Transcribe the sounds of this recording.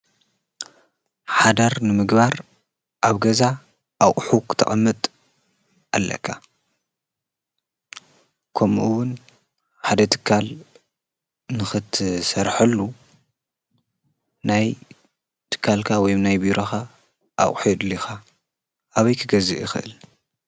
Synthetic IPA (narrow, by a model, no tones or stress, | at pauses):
ħad̪ɐɾnɨmɨɡbaɾ | ʔaβɡɐza | ʔaχʼħukʰɨ̥t̪ʰɐ̰ʔʼɐmːɨt̪ʼ | ʔalːɐ̰kʰːa | kʰomuʔɨwʊn | ħad̪ɐt̪ʰɨ̥kʰːal | nɨxɨt̪ʰsɐɾħɐlːu | naj | t̪ʰɨ̥kʰːalkʰawɔjmnajbiɾʔoxa | ʔːʔʼħid̪lixa | ʔaβɐjkʰɨɡɐzɨʔjɪxɨʔɨ̰l